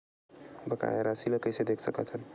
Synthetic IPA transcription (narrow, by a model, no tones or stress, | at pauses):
bəka̰jeɾasiləkəjsed̪ekʰsəkət̪ʰɦən